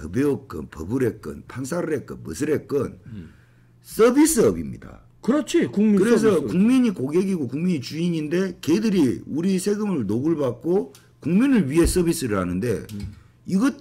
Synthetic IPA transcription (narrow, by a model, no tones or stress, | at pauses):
tʌ̰beok͈ɯ̰npʌ̰bɯɾe̞k͈ɯ̰npʰansʰaɾɯɾe̞k͈ɯ̰nmɯsʰɯɾe̞k͈ɯn | s͈ʌbis͈ɯʌbimɲḭda̰ | kɯɾʌt͡ɕʰikuŋmikɯɾes̬ʰʌkuŋmiɲikoɡe̞ɡiɡokuŋmiɲit͡ɕuiɲinde̞kedɯɾiuɾisʰe̞ɡɯmɯɭnoɡɯɭbak̚k͈o | kuŋminɯɭɥiɦe̞s͈ʌbis͈ɯɾɯɭhanɯnde̞̰ | iɡʌt